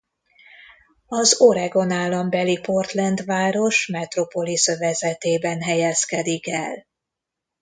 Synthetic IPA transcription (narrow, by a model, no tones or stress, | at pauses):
ɒzoɾɛɡo̞naːlːɒmbɛlipo̞rt̪lɛnd̪ʋaːɾo̞ʃmɛt̪ro̞po̞lisøvɛzɛt̪eːbɛnɦɛjɛskɛd̪ikɛ̰l